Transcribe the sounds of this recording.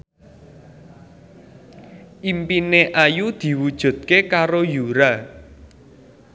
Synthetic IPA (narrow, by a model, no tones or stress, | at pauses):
ʔimpineʔajud̪̥i̤wud̥ʒ̥ṳd̪̥̚kekaɾojuɾa